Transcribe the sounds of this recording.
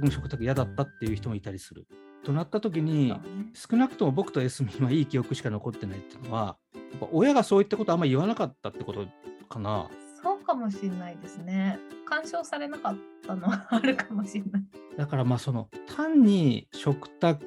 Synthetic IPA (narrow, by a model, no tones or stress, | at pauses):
ɯnɕo̞kɯ̟t̪akɯ̟jad̪at̪ːat̪ːe̞jɯ̟çi̥t̪o̞mo̞it̪aɾʲisɨɾɯ̰ | t̪o̞nat̪ːat̪o̞k̬ʲiɲ̟isɨ̥kɯ̟nakɯ̟̥t̪o̞mo̞bo̞kɯ̥t̪o̞e̞sɨmʲĩβaiːkʲijo̞kɯ̟ɕi̥kano̞ko̞t̪ːe̞nait̪ːeɯnoβa̰ | japːa̰ʔo̞jaɡaso̞ːit̪ːakot̪o̞amːaɾiβanakat̪ːat̪ːe̞ko̞t̪o̞kana̰so̞ːkamo̞ɕinːaid̪e̞sɨne̞kãɰ̃ɕo̞ːsaɾe̞nakat̪ːano̞βaːɾɯ̟kamoɕinːaid̪̥akaɾamaːso̞no̞̰t̪ʰãɲ̟ːiɕo̞kɯ̟̥t̪ak